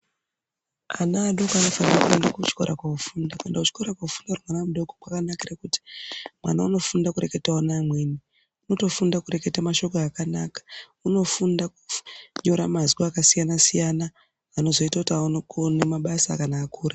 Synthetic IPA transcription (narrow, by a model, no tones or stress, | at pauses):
anaːɗokoano̞fanirakuendakut͡ʃi̥ko̞̰ɾʔakwaufuːndakendaut͡ʃi̥ko̞ɾakwaufundarwanamuɗo̞kokwakanakirakuti̥mwa̰nauno̞fundakuɾe̞ke̞taanaːmweni | uno̞to̞fundakuɾe̞ke̞tamaʃo̞kaːkanakḁ | uno̞fundakuɲo̞ɾamaziwaakasijanasijanaː | no̞zo̞itakutiaunokonemaɓasakanaːkuːɾa